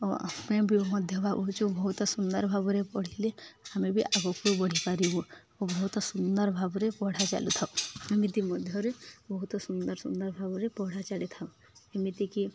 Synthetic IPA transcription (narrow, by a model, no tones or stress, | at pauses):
mẽbʱimɔd̪ʱjɔbʱabɔɦt͡ʃũbɔɦut̪ɔsund̪əɾbʱabuɾepɔɽ̤ilehamebʱiʔabɔkubɔɽ̤ipaɾiɦũ | obɔɦut̪ɔsund̪əɾbʱabɔɾepɔɽ̤at͡ʃa̰lut̪ʰaũemit̪imɔd̪ʱjɔɾebɔɦut̪ɔsund̪əɾsund̪əɾbʱabuɾepɔɽ̤at͡ʃalit̪ʰaũ | emit̪iki